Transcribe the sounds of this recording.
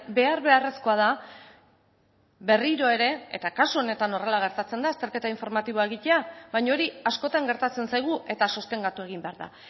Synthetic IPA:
be̞aɾβe̞are̞sko̞að̞a | βe̞riɾo̞e̞ɾe̞ḛt̪akasuo̞ne̞t̪ano̞ralaɣ̞e̞ɾt̪at͡se̞nd̪aest̪eɾke̞t̪aiɱfo̞ɾmat̪iβ̞o̞ae̞ɣ̞ice̞aβajɲaoɾiasko̞t̪aŋɡe̞ɾt̪at͡se̞nsajɣ̞uʔe̞t̪aso̞st̪e̞ŋɡat̪ue̞ɣ̞imbe̞aɾða̰

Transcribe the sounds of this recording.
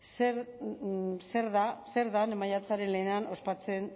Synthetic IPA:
seɾ | se̞ɾðase̞ɾðanemajat͡saɾe̞nle̞ːneanʔo̞spat͡se̞n

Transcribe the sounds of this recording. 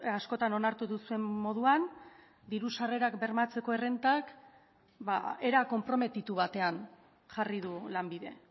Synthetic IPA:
asko̞t̪ano̞naɾt̪uðusue̞mːo̞ð̞uan | d̪iɾusare̞ɾakbe̞ɾmat͡se̞ko̞ere̞nt̪ak | ba̰e̞ɾako̞mpɾo̞me̞t̪it̪uβ̞at̪e̞an | ʝariðulambiðe̞

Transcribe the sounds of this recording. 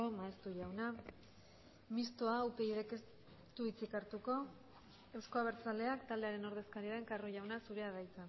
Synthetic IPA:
omaest̪uʝawna | mist̪oaupe̞iðekes | t̪uit͡sikaɾt̪uko̞ | e̞wsko̞aβ̞e̞ɾt͡sald̪e̞akt̪ald̪e̞aɾe̞no̞ɾð̞e̞skaɾiaɾeŋkaroʝawnasuɾe̞aðajt͡san

